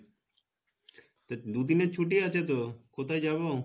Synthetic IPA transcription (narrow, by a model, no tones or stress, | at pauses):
t̪əd̪ud̪iːnet͡ʃʰuʈ̬iaːt͡ʃʰeːt̪̬oːkʰot̪ajd͡ʒaːbaː